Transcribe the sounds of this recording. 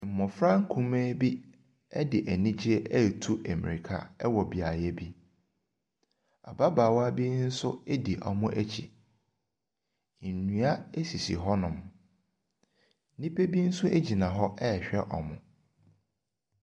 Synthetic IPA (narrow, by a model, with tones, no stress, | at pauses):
m̩˨mɔ̃˨fɾã˦ŋ̩˦kʰũ˦mẽː˦bi˦ | ɛ˦dɪ˨ʔæ˨nĩ˦d͡ʑi˦ɛ˦ʔɛ˦˨tʰu˦ʔæ˨mḭ̃˨ɾi˨kʰa̰˦ɛ˦wɔ˨bi˨a˨jɛ˦bi˦ | a̰˨ba˦baː˨wa˦bi˦n̩˦sʊ˦e˦di˨ʔɔ̰˨mʊ̃˦ʔæ˦t͡ɕʰḭ˨ | n̩˨nũ˦a˦e˦si˨sḭ˨ɦɔ˦nʊ̃˨m | n̩˦nĩ˦pʰe˦bi˦n̩˦sʊ˦ʔe˦d͡ʑi˨nã˨ɦɔ˦ʔɛ˦˨ɕᶣɛ˦ʔɔ̰˨mʊ̃˨